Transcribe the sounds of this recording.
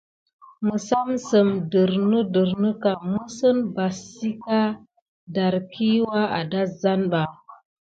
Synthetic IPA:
mə˨sa˦msə˨mdə˨ɾnə˦də˨ɾnə˦ka˨mə˦sə˦nba˨si˦ka˦ | da˨ɾkʰi˦wa˦a̰˨da˦za˦nɓa˨

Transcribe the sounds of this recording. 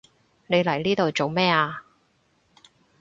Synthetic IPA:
ne˨˧jlɐ˨˩jliː˥t̪o˨wt͡so˨wmɛː˥aː˧

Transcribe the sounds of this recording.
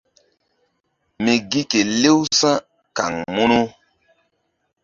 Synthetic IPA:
mi˨ɡi˦ke˨le˦wsã˦ | ka̰˨ŋmu˦nu˦

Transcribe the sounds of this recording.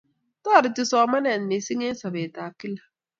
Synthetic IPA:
tɔː˦˨ɾɪ˨ti˦sɔ˨˦ma˦nɛ˨n˨mi˨si˦ŋe˦n˦sa˨be˨ta˨ki˦la˨

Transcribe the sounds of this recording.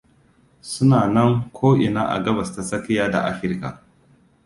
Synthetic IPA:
sʊ˦naː˨nɐ˦ŋkʷʰoː˦ʔɪ˨na̰ː˦ʔa̰˨ɡɐ˦bɐ˨sta˨sɐ˦ki˦jaː˦da̰˨ʔa̰˦ɸɪ˦ɾka̰˨

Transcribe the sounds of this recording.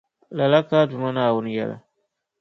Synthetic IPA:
la˨la˦kaː˦dʊ˨ma˦naː˨wʊ˦n˦jɛ̰˦la̰˨

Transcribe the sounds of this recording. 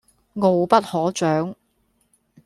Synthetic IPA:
ŋo˨wpɐ˥t̚hɔː˨˥t͡ʃœː˨˥ŋ

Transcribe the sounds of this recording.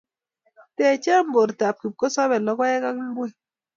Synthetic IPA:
tɛ˨t͡ʃa˦m̩˦bo˨ɾta˨p̚ki˨p̚kɔ˦sɔ˦bɛ˨lɔ˦ka˦jɛ˦ka˦km̩˦bwe˦˨

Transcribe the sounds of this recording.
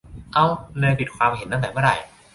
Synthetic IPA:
ʔa˧wnɯː˧jpi˨˩t̪̚kʰwaː˧mɦe˨˩˦nt̪a˥˩t̪ɛ˨˩mɯ˥˩a̰˨˩j

